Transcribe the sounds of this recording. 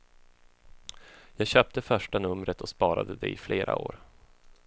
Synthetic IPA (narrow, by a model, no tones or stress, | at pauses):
jɑːɡɕœːp̚t̪əfœʂʈanɵmɾət̪ɔspɑːɾa̰d̪əd̪ɛ̰ɪfleːɾʔa̰o̰ːɾ